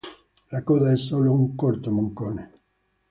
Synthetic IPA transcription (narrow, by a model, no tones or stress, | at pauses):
lakoðaɛsolouŋkoɾt̪omõŋkone